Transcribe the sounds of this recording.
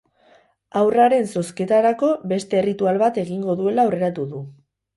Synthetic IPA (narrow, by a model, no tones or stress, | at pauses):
awraɾe̞nso̞ske̞t̪aɾako̞βe̞st̪e̞ːrit̪ualβat̪e̞ɣiŋɡo̞ðue̞laore̞ɾat̪uðu